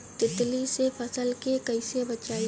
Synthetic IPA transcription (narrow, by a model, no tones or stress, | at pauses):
t̪ɪt̪lisepʰɐsəlkekɐɪsebɐt͡ʃaːi